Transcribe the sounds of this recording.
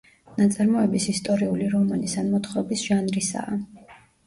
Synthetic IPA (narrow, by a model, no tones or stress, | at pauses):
nat̪sʼaɾmɔɛbisist̪ʼɔɾiuliɾɔmanisanmɔt̪χɾɔbisʒ̥anɾisa̰ː